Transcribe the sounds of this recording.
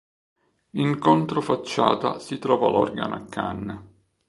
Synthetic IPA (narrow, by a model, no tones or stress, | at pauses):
iŋkont̪ɾofat͡ʃːa̰ːt̪asit̪ɾɔːvalɔ̰rɡa̰nʔa̰kʰːa̰nː